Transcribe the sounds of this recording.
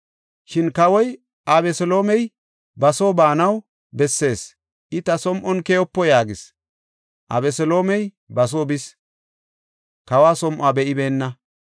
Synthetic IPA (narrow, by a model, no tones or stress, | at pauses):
ʃɪnkɐwɔj | ɐβɛsɔlo̞ːmɛj | bɐso̞ːbaːnɐw | bɛsːe̞ːs | ʔɪt̪ɐsɔmʔɔnkejɔpːɔjaːɡɪs | ʔɐ̰bɛsɛlo̞ːmɛj | bɐs̬oːbɪs | kɐwaːsɔmʔʊaːbɛʔɪbeːnːɐ